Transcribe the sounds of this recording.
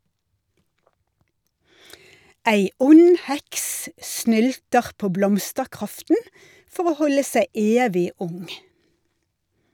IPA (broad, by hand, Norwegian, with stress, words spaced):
ˈæɪ ˈʊn ˈhɛks ˈsnʏltəʁ ˈpoː ˈblɔmstəʁˌkʁɑftn̩ ˈfɔʁ ˈoː ˈhɔlə ˈsæɪ ˈeːʋɪ ˈʊŋ